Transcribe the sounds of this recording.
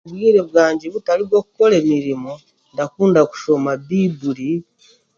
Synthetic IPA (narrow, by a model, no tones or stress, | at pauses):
βwiːɾe̞βwaːɲɟe̞βutaliβwo̞ku̥ko̞le̞miɾimo | ndakuːndaku̥ʃo̞maβibuɾi